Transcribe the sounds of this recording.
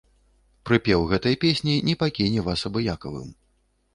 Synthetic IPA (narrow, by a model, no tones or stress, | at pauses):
pɾɨpʲɛwɣɛt̪ɐjpʲesʲnʲinʲɛpakʲinʲɛvasɐbɨjakɐvɨ̰m